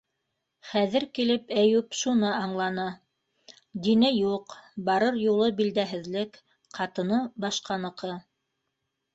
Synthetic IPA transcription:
χæðɘɾkilɘpæjʉpʃunɤɑɴlˠɑnɤ | d̪inɘjuqbɑɾɤɾjulˠɤbild̪æɦɘ̆ðlɘk | qɑt̪ɤ̆nɤbɑʃqɑnɤ̆qɤ

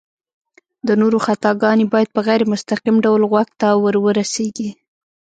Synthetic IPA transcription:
d̪ənoɾoxat̪ɑɡɑnebɑjad̪̚pəɣajɾmʊst̪aqimɖawlɣwaɡ̚t̪awəɾwəɾaseɡi

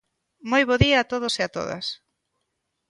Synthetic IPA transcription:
mojβoðiaːt̪oð̞oseat̪o̰ðɐ̰s

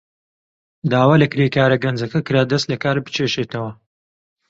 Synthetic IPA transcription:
d̪aːwaːlɐkɪɾekaːɾɐɡɐnd͡zɐkɐkɨɾaːd̪ɐst̪lɐkaːɾbɨ̥t͡ʃʰeʃeːt̪ɐwɐ

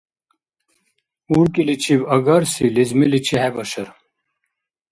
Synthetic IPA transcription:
uɾkilit͡ɕʰibɐɡɐɾsilizmilit͡ɕʰihɛbɐɕɐɾ

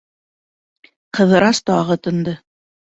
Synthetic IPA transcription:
qɤ̆ðɤ̆ɾɑst̪ɑʁɤt̪ɤ̆nd̪ɤ

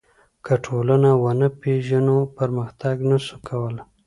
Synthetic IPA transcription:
kʰəʈʰolanawanəpeʒanopəɾməxt̪aɡnasukʰawəl

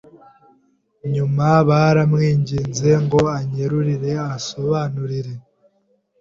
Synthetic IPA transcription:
ɲumaβaɾamŋiːɲɟiːnze̞ŋɡo̞aɲeɾuɾiɾe̞aso̞βaːnuɾiɾe̞

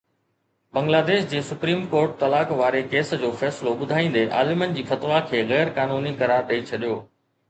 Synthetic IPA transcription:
bɐ̃ŋɡlaːd̪eːʃd͡ʑeːsʊpɾiːmkoːɾʈ̚t̪ɐlaːkʋaːɾekeːsd͡ʑoːfɛːsɪloɓʊd̪ʱaːĩːn̆d̪eʔa̰ːlɪmənɪ̆d͡ʑiːfɐt̪ʋakʰeːɣɛːɾkaːnuːnikɐɾaːɾɗɐit͡ɕʰɐɗijoː

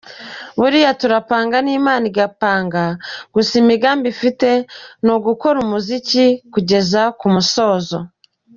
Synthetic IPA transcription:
βuɾijatuɾapaːŋɡaniːmaːniɡapaːŋɡaɡ̥usimiɡaːmbifite̞noɡuko̞ɾumuzicikuɟe̞zakumuso̞ːzo

